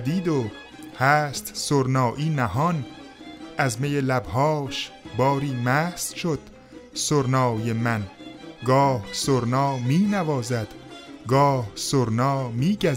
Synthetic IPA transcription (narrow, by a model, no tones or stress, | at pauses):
d̪iːd̪o | hæːst̪soɾnɒːʔiːnæɦɒn | ʔæzmejelæbhɒːʃbɒːɾiːmæːhsʃod̪̥ | soɾnɒːjemænɡɒːhsoɾnɒːmiːnævɒːzæd̪̥ɡɒːhsoɾnɒːmiːɟæ